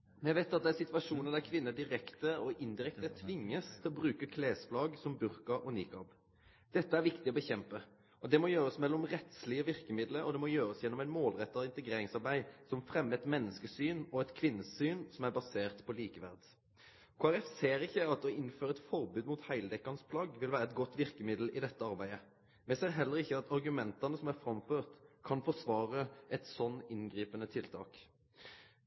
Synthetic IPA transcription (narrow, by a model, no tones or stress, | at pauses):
jæʋæɪt̪ɑt̪̚d̪ɛæɾsɪt̪ʋɑʂuːnəd̪æɾkʰʋɪnːəd̪ɪɾɛkt̪əɔʔɪnd̪ɪʁɛkt̪ət̪ʰʋɪŋːəst̪ʰɪlɔbʁʉːkəkʰleːsflɑːɡsɔmbʉɾkɑɔnḭːkɑb | d̪̥ɛt̪ːəæɾʋɪkt̪ɪɔbəçɛmpə | ɔd̪ɛmɔjøːɾəsmɛlːɔmʁɛt̪slɪəʋɪʁkəmɪd̪ləɾɔd̪ɛmɔjøːɾəsjɛnːɔmæɪnmoːlʁɛt̪ːɑɪnt̪ɛɡɾeːɾɪŋsɑɾbæɪsɔmfɾɛmːəɛt̪mɛnːəskəsyːnɔɛt̪kʰʋɪnːəsyːnsɔmæʁbɑseːʁt̪pʰɔliːkəʋæ̰ʁd̪ | kʰoːæɾɛfseːɾɪçːəɑt̪ɔɪnføːɾəɛt̪fɔʁbʉːd̪muːt̪hæɪld̪ɛkːɑnspʰlɑɡʋɪlʋæːʁəɛt̪̚ɡɔt̪ːʋɪʁkəmɪd̪l̩ɪd̪ɛt̪ːəɑʁbæɪə | mɛseːʁɦɛlːəʁɪçːəɑt̪ɑʁɡʉmɛnt̪ɑnəsɔmæʁfʁɑmføːʁt̪kʰɑnfɔʁsʋɑːʁəʔɛt̪sɔnːɪnɡʁiːpənət̪ʰɪlt̪ʰɑ̰ːk